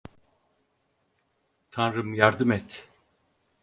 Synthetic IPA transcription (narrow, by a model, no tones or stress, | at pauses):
t̪ʰanɾɯmjaɾd̪ɯmɛt̪